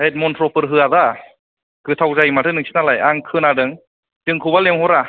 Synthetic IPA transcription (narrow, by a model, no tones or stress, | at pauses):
let̪̚mont̪ʰɾopɯrɦɯaza | kʰɯːt̪ʰawzajmaːt̪ʰɯnɯŋsi̥nalajʔaŋkʰɯnʔaːdɯŋ | t͡ɕɯŋkʰubaleŋhoɾa